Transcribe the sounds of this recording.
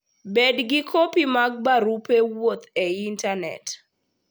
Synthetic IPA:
bedɡɪkʰopimaɡ̚baɾupewot̪eintanɛ̰t

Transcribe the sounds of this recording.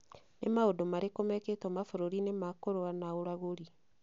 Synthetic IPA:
nemaodomaɾekomɛketwɔmafoɾoɾinemakoɾoanaoɾaɣoɾi

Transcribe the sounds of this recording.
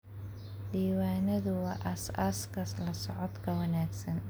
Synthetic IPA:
diːwaːnɐðʊwɑːʔɐsaskʰɐslɐsɔʕɔd̪kʰɐwɐnaːɡsɐn

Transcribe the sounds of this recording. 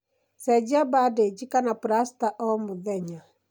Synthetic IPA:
sɛd͡ʒabaded͡ʒikanapuɾastaʔɔmoðɛɲa

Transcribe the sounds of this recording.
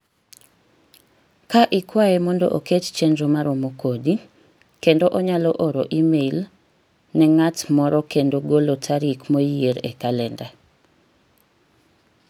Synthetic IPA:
kaʔɪkwaemɔndɔʔoket͡ʃt͡ʃenɾomaɾomokʰodi | kendoʔɔɲalɔʔoɾoʔimeil | nɛŋatmɔɾɔkendoɡolotʰaɾikmojieɾḛkalɛnda

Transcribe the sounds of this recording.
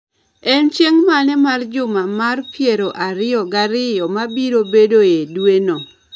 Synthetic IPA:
ɛnt͡ʃeŋmanɛmard͡ʒʊmamarpjeɾoʔaɾɪjɔɡaɾɪjɔmabiɾobedojedweno

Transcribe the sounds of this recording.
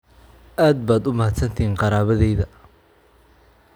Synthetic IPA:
ʔaːd̪̚baːd̪ʊmɐhɐd̪sɐnt̪ʰiːŋqɑɾaːβɐðɛjðɐ

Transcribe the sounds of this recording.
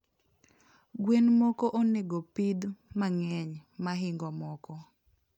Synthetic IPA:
ɡwenmokoʔoneɡopid̪maŋɛɲmaɦɪŋɡɔmɔkɔ

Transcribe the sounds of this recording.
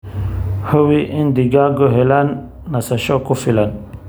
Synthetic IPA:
həwiʔind̪iɡaɡoɦelanː | asaɕokufilan

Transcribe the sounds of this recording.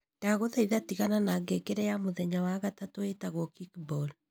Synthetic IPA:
d̥aɣoðaiðatiɣananaːɡekeɾɛjamoðɛɲawaɣatatoetaɣwɔkikbɔl

